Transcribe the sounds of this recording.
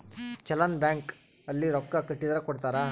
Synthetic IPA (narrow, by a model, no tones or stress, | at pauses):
t͡ʃɐlɐnbjaːŋkɐlːiɾɔkːɐkɐʈːid̪ɐɾɐkɔɽt̪aːɾɐ